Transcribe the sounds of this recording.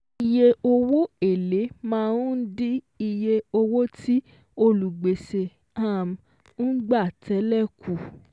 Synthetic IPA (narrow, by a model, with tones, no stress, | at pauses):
i˧je˧o˧wo˦e˦˨le˨˦mãː˦˧ũ˦di˦ | i˧je˧o˧wo˦tʰi˦ | o˧lu˨ɡ͡be˨se˧ | a˦˨m˨ | n̩˦ɡ͡ba˦˨tʰɛ˨˦lɛ˦˨ku˨